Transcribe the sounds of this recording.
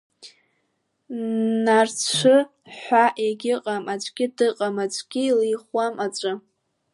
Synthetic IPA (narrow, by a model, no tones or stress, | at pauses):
nart͡ʃʷʰɨ | ħʷaʔeɡʲɪqʼamat͡ʃʷʼɡʲɪdɨqʼamat͡ʃʷʰʼɡʲilijχwamat͡ʃʷʼɨ